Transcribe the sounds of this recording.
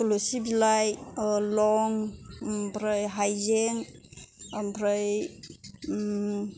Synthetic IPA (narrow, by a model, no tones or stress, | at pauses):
kulosibilajlɔŋ | bɾɯjɦajzeŋ | mbʰɾɯj